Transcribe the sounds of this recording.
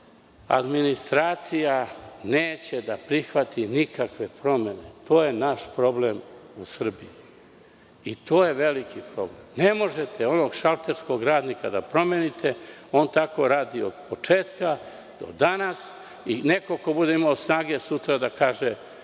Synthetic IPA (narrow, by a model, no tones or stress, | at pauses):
a̰d̪minist̪ɾaːt̪sijaneːt͡ɕe̞d̪apɾixʋat̪ʰinikakʋe̞pɾo̞me̞ne̞t̪o̞ːje̞naʃpɾo̞ble̞musr̩biiː | t̪o̞ːje̞ʋe̞likipɾo̞ble̞mne̞mo̞ʒe̞t̪ʰeo̞no̞ɡʃalˠt̪e̞ɾsko̞ɡɾaːd̪nikad̪apɾo̞menit̪ʰe̞o̞ːnt̪ako̞ɾaːd̪iod̪̥po̞t͡ʂeːt̪ka | d̪̥o̞̰d̪anas | ine̞ko̞ko̞bud̪e̞imaosnaːɡe̞sut̪ɾad̪akaːʒe